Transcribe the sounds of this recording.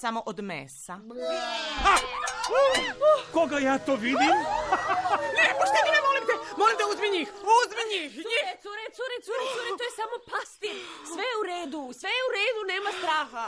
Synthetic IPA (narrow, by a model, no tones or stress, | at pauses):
samoʔod̪mḛsa | a | koɡajaːt̪oːʋid̪im | nepoʃt̪oeinɛmolˠimt̪ɛmolimd̪auzbiɲiuzbiɲiiesuɾesuɾesuɾesuɾet̪ojesamopast̪isʋejeuɾeːd̪usʋejeuɾeːd̪uneːmast̪ɾaːxa